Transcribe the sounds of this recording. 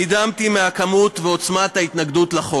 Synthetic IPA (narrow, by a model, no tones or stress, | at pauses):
id̪amt̪imeakamut̪veo̞t͡smat̪ait̪naɡd̪utlaχo